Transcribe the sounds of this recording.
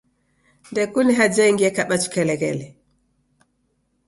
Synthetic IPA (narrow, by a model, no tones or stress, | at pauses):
ndɛkuniɦad͡ʒɛŋɡiɛkaɓat͡ʃu̥kɛlɛɡɛ̰lɛ